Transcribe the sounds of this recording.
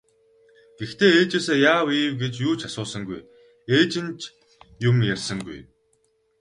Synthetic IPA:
ɡ̥ext̪ʰeːeːt͡ɕeːseːjaːwiːwɡet͡ɕjuːt͡ɕʰasʊːsə̆ŋɡuj | eːt͡ɕɪ̆nt͡ɕ | jʊmjærʲsə̆ŋɡṵj

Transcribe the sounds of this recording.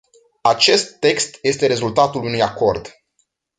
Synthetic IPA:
at͡ʃe̞st̪ːe̞kst̪je̞st̪e̞ɾe̞zult̪at̪ulunujako̞rd̪

